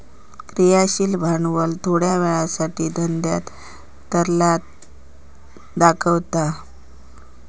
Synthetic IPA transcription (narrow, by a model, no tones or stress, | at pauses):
kɾijaɕiːlbʱaɳʋəlt̪ʰoɽjaʋɛɭasaʈiːd̪ʱənd̪ja̰t̪ː | əɾlat̪ | d̪akʰəʋt̪a